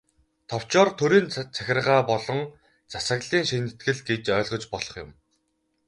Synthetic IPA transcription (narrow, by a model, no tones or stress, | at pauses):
t̪ʰɔw̥t͡ɕɔːrt̪ʰɵɾiːnt͡sʰæxʲɪ̆rʁaːpɔɮɞ̆ŋ | t͡sasə̆ɣɮiːŋʃinɘ̆t̪ɡɘ̆ɮɡet͡ɕœːɮʁɞ̆t͡ɕpɔɮɞ̆χjʊ̰m